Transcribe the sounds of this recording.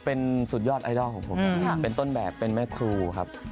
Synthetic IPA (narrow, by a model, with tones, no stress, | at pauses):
pe˧nsu˨˩jɔː˥˩t̪̚ʔa˧jdɔː˥˩kʰɔː˩˦ŋpʰo˨˧pe˧nt̪o˥˩nbɛː˨˩pːe˧nmɛː˦˥˩kʰɾuː˧kʰa̰˦˥p̚